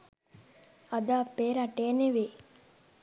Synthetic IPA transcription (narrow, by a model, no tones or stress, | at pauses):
ɐd̪aːpeːɾaʈeːneʋe